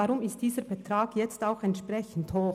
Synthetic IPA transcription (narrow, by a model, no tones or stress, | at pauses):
ɑɾʊmɪstd̥iːzəɾbɛtɾaːɡ̥jɛt͡staʊxɛntʃpʁɛçn̩thoː